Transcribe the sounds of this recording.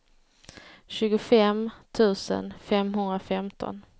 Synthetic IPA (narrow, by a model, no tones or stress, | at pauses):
ɕʉ̟ːɡʊfɛmt̪ʰʉ̟ːsə̰nfɛmɦɵnd̪ɾafɛmt̪ʰɔ̰n